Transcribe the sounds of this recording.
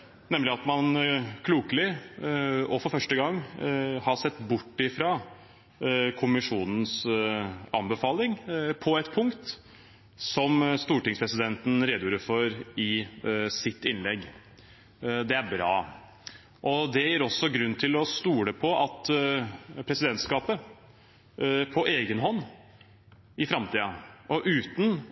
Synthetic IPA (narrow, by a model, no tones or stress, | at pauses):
nɛmlɪɑt̪mɑnkʰluːkəlɪ | ɔfɔɾfœʂʈəɡɑŋːhɑsɛt̪ːbʊʈːɪfɾɑ | kʰʊmɪʂuːnn̩s | ɑ̰mbəfɑːlɪŋpʰɔɛt̪pʰʊŋkt̪ | sɔmst̪uːʈɪŋspʰɾɛsɪd̪ɛnt̪n̩ɾeːd̪juːɾəfɔɾɪsɪt̪ːɪnlɛɡː | d̪ɛæɾbɾɑ̰ː | ʔɔd̪ɛjiːɾɔsːɔɡɾʉnːt̪ʰɪlɔst̪uːɽəpʰɔʔɑt̪ | pʰɾɛsɪd̪ɛnt̪skɑːpə | pʰɔʔeːɡənɦɔnː | ɪfɾɑmt̪ʰiːɑʔɔʔʉːt̪n̩